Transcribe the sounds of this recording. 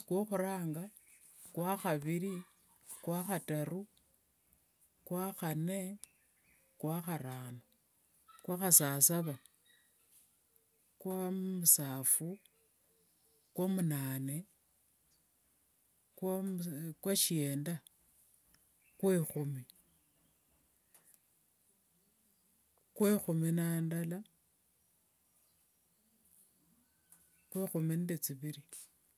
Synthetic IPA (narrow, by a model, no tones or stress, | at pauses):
kwoxuɾaːŋɡa | kwaxaβiɾi | kwaxataɾu | kwaxane | kwaxaɾaːno | kwaxasasaβa | kwamusaːfu | kwomunaːne | kwakwaʃieːnda | kwexumi | kwexuminaːndala | kwexumindet͡siβiɾi